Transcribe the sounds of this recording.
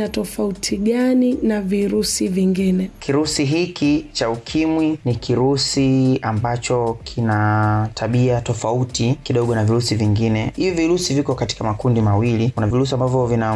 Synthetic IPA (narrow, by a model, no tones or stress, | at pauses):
atɔfautʰiɠaninaviɾusiviŋɡinɛkʰiɾusiɦikit͡ʃaukʰimwinikʰiɾusiambat͡ʃɔkʰinatʰaɓiatɔfautikiɗɔɠɔnaviɾusiviŋɡinɛhiviviɾusivikɔkati̥kamakundimawilikunaviɾus̬iambavjɔvina